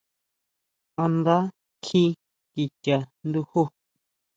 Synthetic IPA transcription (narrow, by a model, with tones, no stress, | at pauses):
ã˧nd̪a˦ | kʰĩ˦ | ki˧tʲa˨nd̪u˧hu˦